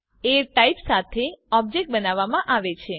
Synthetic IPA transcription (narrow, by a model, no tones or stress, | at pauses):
eɾʈaipsat̪ʰeɔb̚d͡ʒek̚ʈ̚bənaʋːamãʔaʋet͡ʃʰe